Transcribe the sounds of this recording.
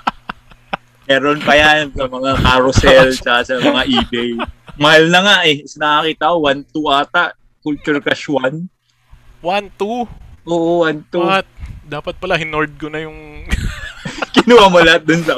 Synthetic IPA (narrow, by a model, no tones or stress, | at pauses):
mɛːɾonpɐjasɐmɐŋakaɾosɛlt͡ʃɐkasɐmɐŋaʔiːbɛjmɐhalnɐŋaʔɛsnɐʔɐkiːt̪aʔʔowant̪uʔaːt̪aʔ | kʊlt͡ʃʊɹkɐʃwan | want̪uʔoːʔowant̪uat̪̚d̪aːpɐt̪̚pɐlahɪnoɹd̪̚konɐjʊŋ | kɪnuwamolɐhat̪̚d̪onsɐ